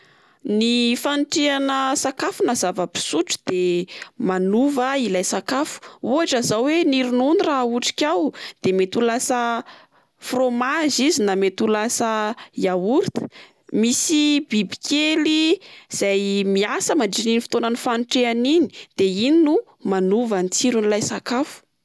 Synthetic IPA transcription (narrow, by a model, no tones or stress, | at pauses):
nifanʈ͡ʂeanəsakafunazavəbi̥suʈ͡ʂd̪̥emanuvəilajsakafu̥uɦaʈ͡ʂazawweniɾinunirauʈ͡ʂi̥kʲawd̪̥emet̪ulasə | fromaʒizinamet̪ulasəjauɾit̪ə̥ | misibibi̥kʲeliz̥ajmiasəmaɳɖ͡ʐininifi̥t̪onanifanʈ͡ʂeanini̥d̪̥eininu | manuvant͡siɾunilajsakafu̥